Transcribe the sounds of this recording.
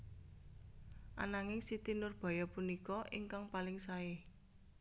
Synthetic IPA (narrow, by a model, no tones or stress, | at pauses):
ʔa̰naŋɪŋsit̪inʊrb̥ɔ̤jɔpunikɔʔɪŋkaŋpalɪŋsae